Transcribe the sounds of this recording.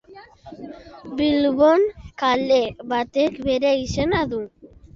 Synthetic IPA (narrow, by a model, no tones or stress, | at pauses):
bilβonkaleβat̪ekbe̞ɾeisenaðu